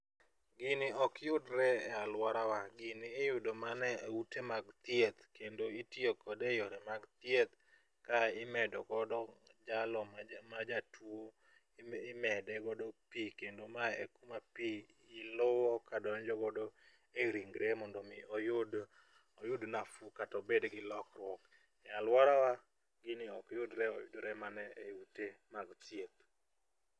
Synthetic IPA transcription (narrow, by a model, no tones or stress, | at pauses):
ɡɪnɪɔkjʊdɾɛɛalwaɾawaɡɪnɪːjʊdomanɛeutʰemaɡt̪jet̪kendoitiokɔdejɔɾɛmaɡt̪jet̪̚ | kaɪmɛdɔɡɔdɔd͡ʒalɔmad͡ʒatwo | mɛdɛɡɔdopikendomaḛkumapiː | lʊwɔkadɔɲd͡ʒɔɡɔdo | eɾiŋɡɾʔemɔndɔmɪɔjʊd | ɔjʊdnafukatɔbedɡɪlɔkɾwɔk | jalwaɾawa | ɡɪnɪɔkjʊdɾɛɔ̰jʊ̰dɾɛmanɛeutemaɡt̪jet̪̚